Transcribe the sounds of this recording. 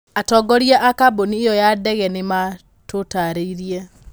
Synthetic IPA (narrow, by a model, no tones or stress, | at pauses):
atɔɡɔɾiaʔakaboniejɔjadɛɣɛnema | totaɾeiɾiɛ